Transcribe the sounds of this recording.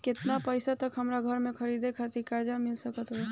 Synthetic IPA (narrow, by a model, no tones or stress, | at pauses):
ket̪napəɪsat̪əkɦəmɾaɡʱəɾmẽkʰəɾid̪ekʰət̪ikaɾd͡ʒamilsəkət̪ɦo